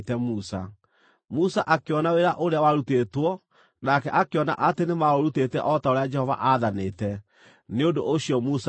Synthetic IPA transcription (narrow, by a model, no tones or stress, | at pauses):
tɛmusa̰ | musaʔakeɔnaweɾaʔoɾeawaɾutetwɔ | nakɛʔakeɔna̰ʔatenemaɾoɾutetɛ̰ʔɔtaoɾead͡ʒɛhɔva̰ʔaðanetɛ | neondoʔoɕjɔmus